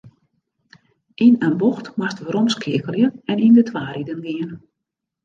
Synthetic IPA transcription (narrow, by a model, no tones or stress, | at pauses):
inənbɔxtmastəɾomskʰɪəkəlˠjəɛnindətʰʋaːɾidənɡiən